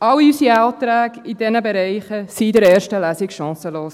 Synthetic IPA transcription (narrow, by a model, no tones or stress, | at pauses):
ɑlysiɑːtɾæːɡid̥ɛnəbɛɾɛɪχəsidɛɾɛːɾʃtəlæsɪkʃɑ̃ːsəloːs